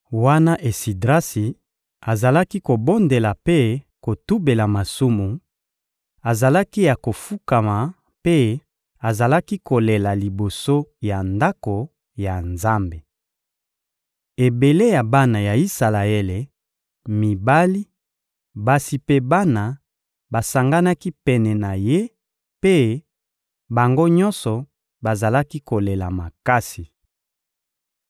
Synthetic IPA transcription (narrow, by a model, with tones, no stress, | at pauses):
wa˦na˦ʔe˨si˨dʁa˦si˨ | a˨za˨la˦ki˦ko˨bo˦nde˨la˨pe˦ko˨tu˦be˨la˨ma˨su˦mu˨ | a˨za˨la˦ki˦ja˨ko˨fu˦ka˨ma˨ | pe˦ | a˨za˨la˦ki˦ko˨le˨la˨li˨bo˨so˦ja˨nda˦ko˨ | ja˨nza˦mbe˨ | e˨be˨le˦ja˨ba˦na˨ja˨i˦sa˨la˨e˦le˨ | mi˨ba˦li˦ | ba˨si˨pe˦ba˦na˨ | ba˨sa˨ŋɡa˦na˦ki˦pɛ˨nɛ˨na˨je˦ | pe˦ | ba˨ŋɡo˦ɲɔ˦nsɔ˨ | ba˨za˨la˦ki˦ko˨le˨la˨ma˨ka˦si˨